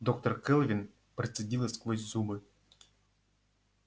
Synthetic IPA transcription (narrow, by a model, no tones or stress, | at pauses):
d̪okt̪orkɘlˠvʲin | prʲet̪ʲsʲɨdʲilˠəsʲkvosʲzumɨ